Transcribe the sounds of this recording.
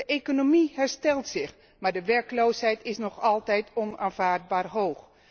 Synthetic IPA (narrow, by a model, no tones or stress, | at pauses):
əʔekonomiɦɛɹstɛlˠtsɪx | maːɹdəʋɛɹkloːshɛjtɪsnɔχɑlˠtɛjtʰɔnaːnv̥aːrd̚baːrɦoːx